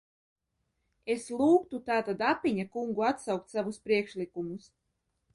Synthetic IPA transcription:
eslˠuːkt̪ut̪aːt̪ad̪apʲiɲakuŋɡuat̪sawk̚t̪ʲsavuspɾiɛkʃlʲikumus

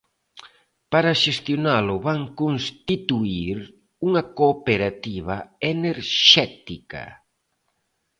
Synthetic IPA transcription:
paɾaʃest̪jonalʊβaŋkonst̪it̪uiɾ | uŋɐkopeɾat̪iβ̞a̰eneɾʃɛt̪ika̰

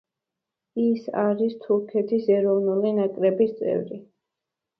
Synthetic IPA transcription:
isa̰ɾist̪ʰuɾkʰɛt̪ʰisɛɾɔvnulinakʼɾɛbist̪sʼɛ̰vɾi

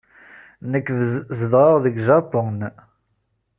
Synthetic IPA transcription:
nəkːzəðʁəʁðəɡʒɑpʊn

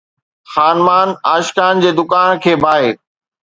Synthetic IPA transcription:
xaːnmaːnaːʃkaːnd͡ʑeːd̪ʊkaːnkʰeːbʱaːeː

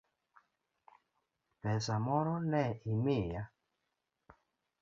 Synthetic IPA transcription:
pɛsamɔɾɔnɛimeja

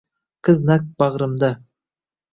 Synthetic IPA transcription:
kʰəznæk̚b̥ɑʁɾəmd̪ɑ

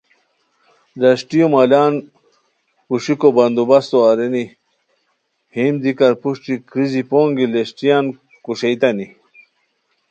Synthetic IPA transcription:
d̪ɐʂʈijomalaːn | kuʂikobɐnd̪ubɐst̪oɐɾeni | himd̪ikɐɾpuʂʈikɾizipoːŋɡileɕʈijaːn | kuʂejt̪ɐni

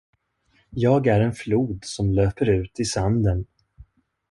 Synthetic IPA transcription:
jɑːɡæɾɛnfluːd̪sɔmløːpəɾʉ̟ːt̪ɪsand̪ən

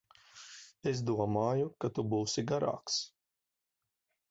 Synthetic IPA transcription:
esd̪uɔmaːjukat̪ubuːsiɡaɾa̰ːks

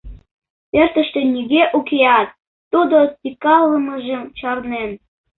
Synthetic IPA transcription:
pert̪ə̆ʃt̪enʲiɣeʔukeɑt̪ː | ud̪ospʲikɑlːəməʒemt͡ɕɑrnen

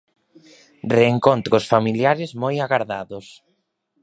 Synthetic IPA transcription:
reːŋkont̪ɾosfamiljaɾɪzmojaɣaɾðaðʊs

